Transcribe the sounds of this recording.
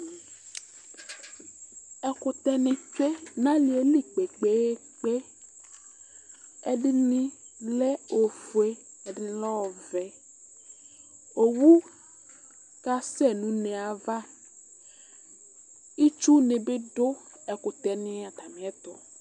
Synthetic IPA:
ɛ˨kʊ˨t̪ɛ˨nĩ˨fe˦nã˦li˨e˦li˦k͡pe˨k͡pe˨˦ | k͡pe˦ | e˨ɖi˦nĩ˦lɛ˦o˨fu˨e˦ | ɛ˨dɪ˦ni˦lɔ˦wɔ˨vɛ˨ | o˨wu˦ | ka˦sɛ˦nũ˨˦nɛ̃˨a˨va˦ | i˦t͡ʃu˦nẽ˨be˦ɖo˦ | ɛ˨kʊ˨t̪ɛ˨nĩ˦a˨t̪a˨mĩ˨ɛ˦t̪ɔ˨

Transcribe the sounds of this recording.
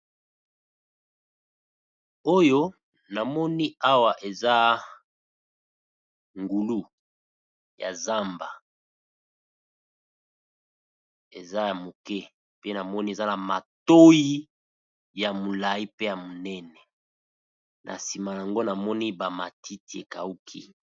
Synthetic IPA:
o˦jo˦ | na˨mɔ˦ni˦a˦wa˨ʔe˨za˦ | ŋɡu˨lu˦ | ja̰˨za˦mba˨ | ḛ˨za˦ja˨mo˨kɛ˦ | pe˦na˨mɔ˦ni˦e˨za˦na˨ma̰˨to˦ji˦ | ja˨mo˨la˨i˦pe˦ja˨mo˨nɛ˦nɛ˨ | nʔa̰˨si˨ma˨ja˨ŋɡo˦na˨mɔ˦ni˦ba˨ma˨ti˦ti˨e˨ka˨u˦kʰḭ˦

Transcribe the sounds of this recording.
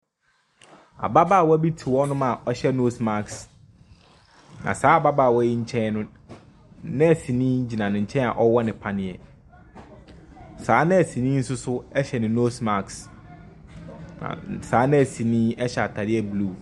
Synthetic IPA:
a̰˨ba˦baː˦˨wɔ˦æ˦bi˦tʰi˨wɔ˦nʊ̃˦mã˨ʔɔ˦ɕɛ˦no˦sma˦ks | nã̰˨saː˦a˨ba˦ba˨wɔ˦jɪ˦ɲ̩˦t͡ɕʰɛ̃˦nʊ̃˦ | nɪ̃˦æ˨si˨nĩː˦d͡ʑi˨nã˨nɪ̃˨ɲ̩˨t͡ɕʰɛ̃˦n˦a̰˨ʔɔ˦wɔ˦nɪ̃˨pʰa˦nɪ̃˨ɛ˨ | saː˨˦nɪ̃˦æ˨si˨nĩː˦n̩˦sʊ˦sʊ˦ɛ˦ɕɛ˨nɪ̃˨no˦sma˨ks | nã̰˨saː˨˦nɪ̃˦æ˨sĩ˨nĩː˦ɛ˦ɕɛ˨a˨tʰa˨dɪ˦ɛ˦blu˦˨

